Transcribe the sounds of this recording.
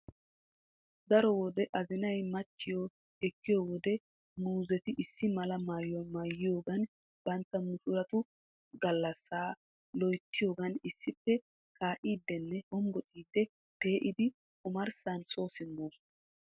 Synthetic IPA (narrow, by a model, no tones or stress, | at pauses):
d̪ɐɾɔwɔd̪ɛʔɐzɪnɐjmɐt͡ʃːɪjɔ | ɛkːɪjɔwɔd̪ɛ | nuːzɛt̪ɪʔɪsːɪmɐlɐmaːjɔmaːjːɪjoːɡɐn | b̥ɐnt̪ːɐmʊʃʊɾɐt̪ʊ | ɡɐlːɐsːaː | lɔjt̪ːɪjo̞ːɡɐnɪsːɪpːɛ | kaːʔiːd̪ːɛnːɛɔmbɔtʼiːd̪ːɛ | pe̞ːʔɪd̪ɪ | kʼʊmɐɾsanso̞ːsɪmːoːs